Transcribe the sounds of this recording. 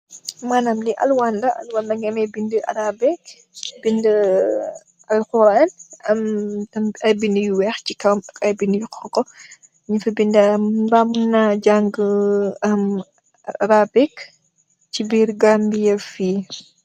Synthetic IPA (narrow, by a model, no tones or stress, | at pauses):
manamliʔɐlwandɐʔɐ̰lwandɐŋɡɛmɛbindəɐ̰ɾabɛk | bində | ɐlxuɾanɐmtɐmɐjbindəjuwɛxcikɐmɐkɐjbindəjukɔkːɔ | ɲifɐbindɐmbamunad͡ʒaŋɡ | ɐm | ɐɾabɛk | t͡ʃibiːɾɡambijɐfi